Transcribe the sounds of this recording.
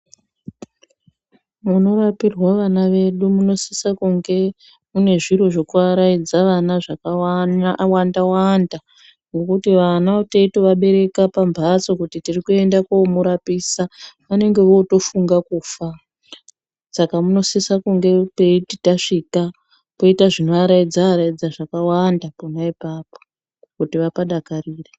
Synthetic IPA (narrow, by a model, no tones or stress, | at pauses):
muno̞rapirwaʋanaʋe̞ɗumuno̞sisakuŋɡe̞ | mune̞ʐiɾoʐokuaɾaid͡zaʋanaʐaka | wandawanda | nokutiʋanaoteitoʋaɓe̞ɾe̞kapambʱat͡so̞kutitirikue̞ndakomuɾapiːsapane̞ŋɡe̞ʋo̞to̞fuŋɡakuːfa | sakamuno̞sesakuŋɡe̞pe̞ititaʂika | po̞itaʐino̞aɾaid͡zaːɾaid͡zaʐakawandaponaipaːpo̥ | kutiʋapaɗakariːre